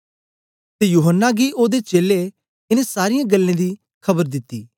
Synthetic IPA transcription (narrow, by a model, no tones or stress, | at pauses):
t̪ejuːɦənːaɡiʔoːd̪et͡ʃeːle | ɪnẽsaːɾɪjãɡɐlːẽd̪i | kʰɐbəɾd̪ɪt̪ːiː